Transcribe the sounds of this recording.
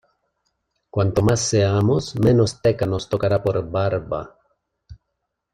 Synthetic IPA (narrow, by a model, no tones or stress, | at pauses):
kwant̪omasːeamosmenost̪ekanost̪okaɾapoɾbaɾba̰